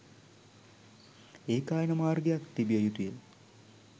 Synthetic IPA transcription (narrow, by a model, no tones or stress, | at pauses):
eːkaːjɐnɐmaːrɡejakt̪ibijɐjut̪ujel